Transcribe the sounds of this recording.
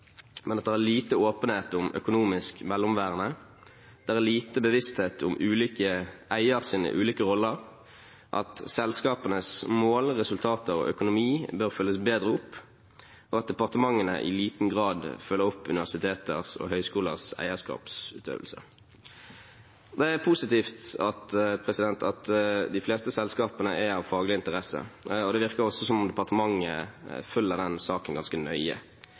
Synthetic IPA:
mʔɛnɑt̪̚d̪ɛæːʁliːt̪əoːpəneːt̪ʊmœ̰kʊnuːmɪskmɛlːʊmʋæːʁənə | d̪̥ɛæʁæʁliːt̪əbəʋɪst̪heːt̪ʰʊmʉːliːkəæɪəʁsiːnə̰ʔʉːliːkəʁɔlːəʁ | ʔɑ̰t̪sɛlskɑːpənəsmoːlʁɛsʉlt̪ʰɑːt̪əʁo̰ːʔœkʊnʊmiːbøːʁfœləsbeːd̪ʁəʊpː | ɔɑt̪̚d̪ɛpɑʁt̪əmɑŋːənə̰ʔɪ̰liːt̪n̩ɡʁɑːd̪fœlːəʁʊpːʉ̰nɪʋæʁsɪt̪ʰeːt̪əʁsɔ̰ɦœʏskuːləʁsæ̰ɪəskɑ̰ːpsʉːt̪ʰø̰ːʋəlsə̰ | d̪ɛæʁpʰusɪt̪iːft̪ɑt̪pʰʁɛsɪd̪ɛnt̪ʰɑt̪d̪ɪfleːst̪əsɛlskɑːpənəʔæɑʋfɑːɡəlɪɪnt̪əʁɛsə̰ɔd̪ɛʋɪʁkəɾɔsːɔsɔmʊmd̪ɛpɑʁt̪əmɑŋːə̰fʉlːəʁd̪ɛnsɑːkənɡɑnskənœʏə̰

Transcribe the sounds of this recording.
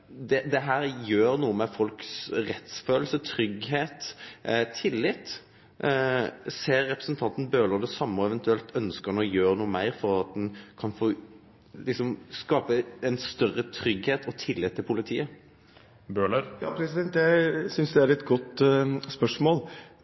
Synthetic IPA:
d̪ɛd̪ɛɦæːɾjøːɾnuːəmɛfɔlksɾɛt̪sføːl̩sət̪ʰɾʏɡɦeːt̪t̪ʰɪlːɪt̪ | seːɾːɛpɾəsənt̪ʰɑnt̪n̩bøːləɾd̪ɛsɑmːəɔɛʋɛnt̪ʉɛlt̪ʰœnskənɔjøːɾənuːəmæɪɾfɔʁɑt̪̚d̪ɛnkʰɑnfoː | lɪksɔmskɑːpəɛnst̪œrət̪ʰɾʏɡheːt̪ɔt̪ʰɪlːɪt̪ʰːɪlpʰʊlɪt̪ʰiːə | bøːɭəɾjɑpʰɾɛsɪd̪ɛnt̪jæsʏnsd̪ɛæɾɛt̪ɡɔt̪spœʂmoːl

